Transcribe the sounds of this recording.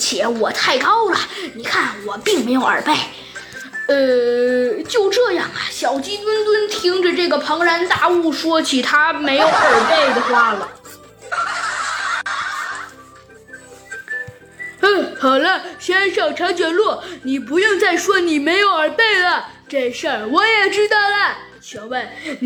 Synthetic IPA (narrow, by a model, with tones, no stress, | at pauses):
t͡ɕʰjɛ˧˥wɔ˨˩t̪ʰa˥˩ɪkɑ˥ʊlə˨ni˨˩kʰa˥˩nwɔ˨˩pi˥˩˧ŋme˧˥ɪjo˧˩ʊə̰˞˨˩pe˥˩ɪ | ə˧ | t͡ɕjo˥˧ʊʈ͡ʂɤ˥˧jɑ̰˥˩ŋə̰˨˩ɕjɑ˨˩ʊt͡ɕi˥t̪wə˥nt̪wə˥nt̪ʰi˥ŋʈ͡ʂə˧ʈ͡ʂɤ˥˩ɡə˩pʰɤ˧˥ŋɻa˧˥nt̪a˥˧u˥˩ʂwɔ˥t͡ɕʰi˧˥t̪ʰa˥me˧˥ɪjo˧˥ʊə˨˩pe˥˩ɪd̪ə˩xwa˥lə˨˩ | ə˥˩xɑ˨˩lə˦˩ɕɥɛ˥nʂɤ˥˩ʈ͡ʂʰɑ˧˥t͡ɕɥɛ˨˩nlwɔ˥˩ni˨˩p̬u˧˥jʊ˥˧ŋt͡sa˥˩ɪʂwɔ˥ni˨˩me˧˥ɪjo˧˥ʊə˞˨˩pe˥˩ɪlə˨ | ʈ͡ʂe˥˧˩ɪʂə˥˩wɔ˧˥jɛ˨˩ʈ͡ʂɻ̩˥d̪ə˥˩lə˩ | ɕʰjɔ˧˩˥we˥˩